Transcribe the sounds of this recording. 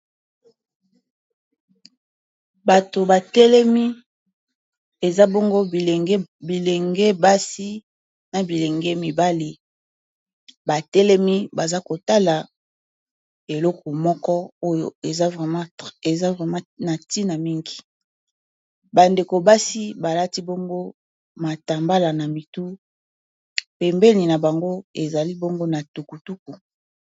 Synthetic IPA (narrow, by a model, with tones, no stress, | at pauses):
ba˨to˨ba˨tɛ˦lɛ˦mi˦ | e˨za˦bɔ˦ŋɡo˦˨˦bi˨le˨ŋɡe˦ba˦si˦ | na˨bi˨le˨ŋɡɛ˦mi˨ba˦li˨ | ba˨tɛ˦lɛ˦mi˦ba˨za˦ko˨ta˦la˨ | e˨lɔ˦ko˨mɔ˦kɔ˦o˦jo̰˨e˨za˦vʁɛ˨mã˦e˨za˦ʁɛ˨mã˦na˨ti˦na˨mi˦ŋɡi˨ | ba˨nde˨ko˨ba˦si˦ba˨la˦ti˦bɔ˦ŋɡo˦ | ma˨ta˨mba˦la˨na˨mi˨tu˦ | pɛ˨mbɛ˦ni˨na˨ba˨ŋɡo˦e˨za˨li˦bɔ˦ŋɡo˦na˨tu˨ku˨tu˦k̚u˨